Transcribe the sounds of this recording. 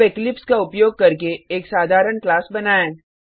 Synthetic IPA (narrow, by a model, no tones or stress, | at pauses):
ɪklɪpskaʊpjoːɡ̚kɐɾkeeːksaːd̪ʱaːɾəɳklaːsbɐnaːẽː